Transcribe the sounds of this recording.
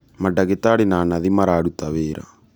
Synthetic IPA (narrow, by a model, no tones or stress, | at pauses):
maɖɐɣet̪aːɽinaːnɐðimaɾaːɽut̪aβeːɾa̰